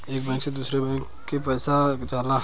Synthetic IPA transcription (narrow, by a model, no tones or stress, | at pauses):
eːk̚bɛ̃ːksed̪uːsɾebɛ̃ːk | kepɛːsat͡ʃaːla